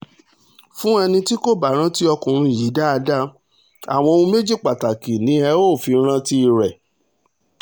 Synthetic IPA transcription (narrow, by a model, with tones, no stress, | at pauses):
fũ˦ɛ˧nĩ˧ti˦ko˦˨ba˨ɾ̃ã˦ti˦ɔ˧kũ˨ɾ̃ũ˧˨ji˨˦da˦a˧da˦ | a̰˨w̃ɔ̃˧o˧ũ˦me˦d͡ʒi˦˨k͡pa˨ta˨ki˨nĩ˨˦ɛ˧˦o˦˨fi˨˧˦ɾ̃ã˦ti˦i˧ɾɛ˨